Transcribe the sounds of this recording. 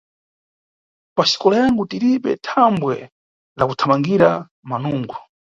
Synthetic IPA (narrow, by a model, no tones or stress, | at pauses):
paʃi̥kɔlajaŋɡutiɾiɓɛ̰tʰambwɛ̰ | lakutʰamaŋɡiɾa | manuːŋɡu